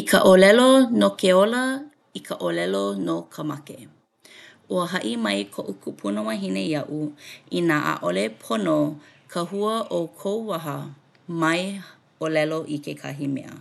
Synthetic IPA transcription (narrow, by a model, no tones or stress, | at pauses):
ikʰə̰ʔolɛlonokeolɐ | ikʰəʔolɛlonokʰəmɐke | ʔuəɦɐʔimɐjkʰoʔukʰupʰunomɐɦinejɐʔuinaʔa̰ʔolepʰonokʰəɦuəʔokʰowwɐɦə | mɐj | olɛloʔikʰekʰɐ̰ɦimɛ̰ʔə̰